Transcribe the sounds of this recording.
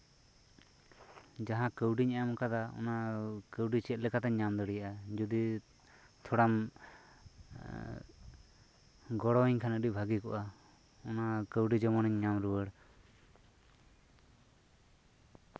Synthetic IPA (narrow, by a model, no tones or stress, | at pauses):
d͡ʒaɦãkəwɖiɲajamkad̪aɔ̰nakəwɖit͡ʃɛt̪̚ˀlɛkat̪aɲːamd̪ɔɽijaʔad͡ʒud̪i | t̪ʰɔɽam | ɡɔɽɔiɲkʰanəɖibʱaɡikɔ̰ʔa | ɔnakəwɖid͡ʒɔmɔnɛɲːamɾuwəɽ